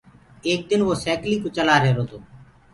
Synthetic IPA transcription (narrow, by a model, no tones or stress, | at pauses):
eːk̚d̪ɪnʋoːsɛːkliːkoːt͡ʃəlaːɾeːɾoːt̪oː